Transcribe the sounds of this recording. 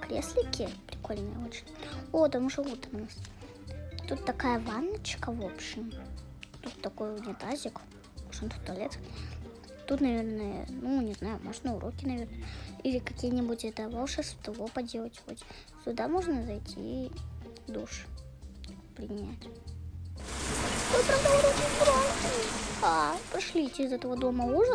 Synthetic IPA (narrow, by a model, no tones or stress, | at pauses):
kɾʲeslʲɪkʲɪpɾʲɪko̞lʲnəjəot͡ɕɪ̥nʲot̪ɐmuʐəut̪ɐnnas | t̪ut̪ːɐkajəvanːət͡ɕkəvopɕɪm | t̪ut̪ːɐkojnʲɪt̪azʲɪk | moʐɨnt̪ʊ̥t̪ːɐlʲet̪ | t̪ut̪nɐvʲe̞rnɨjə̰nunʲɪznajʊmoʐnəʊɾʔokʲɪnɐvʲe̞rnəjəilʲɪkɐkʲijənʲɪbutʲɛt̪əvaʂast̪ɐvopɐdʲe̞lˠətʲxo̰tʲ | sʲʊd̪amo̞ʐnəzɐjtʲʰḭ | d̪uʂɨ̥ | pɾʲɪnʲætʲ | kojpɾɐvd̪aʊɾokʲɪbɾat̪apɾɪʂlʲitʲɪːzɛt̪əvəd̪o̞məuʐə